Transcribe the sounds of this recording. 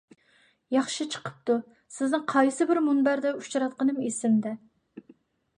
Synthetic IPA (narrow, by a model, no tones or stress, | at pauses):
jɑχʃit͡ʃʰə̥qʰə̥p̚t̪u | sɪznɨŋqʰɑjsɨbɪɾmunbæɾd̪ɛut͡ʃiɾɑt̪̚qənɨmesɪmd̪ɛ